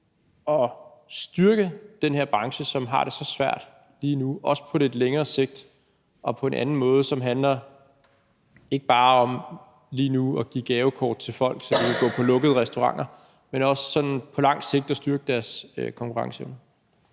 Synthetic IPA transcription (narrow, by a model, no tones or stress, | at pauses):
ɒ̽sd̥yɐɡ̥əd̥enheɐ̰b̥ʁɑ̈ŋɕəsɒ̽mɦɑ̈ɾ̥e̝sɒ̽sʋæɐ̰d̥ | liːnuɒ̽sə̥pʰɒ̽le̝d̥leŋɐːse̝ɡ̥̚d̥ | ʔɒ̽pʰɒ̽e̝nʔænn̩mɔ̽ːð̞̩ˠəsɒ̽mɦænlɐ | e̝ɡ̥əb̥ɑ̈ːɒ̽m | liːnuɒɡ̥ḭːɡ̥ɛːʊkʰɒ̰ːd̥̚t͡sʰe̝lfɒ̽l̰ɡ̥sɒ̽d̥iʋʰeɡ̥ɔ̰̽ːpʰɒ̽lɔ̽ɡ̥əð̞̩ˠʁɛsd̥oʁɑ̈ŋ̰ɐ | menɒ̽sːɒ̽nnpʰɒ̽lɑ̈ŋ̰se̝ɡ̥̚d̥ɒ̽sd̥yɐɡ̥əd̥æɐsøkʰɒ̽ŋkʰuʁɑ̈ŋsən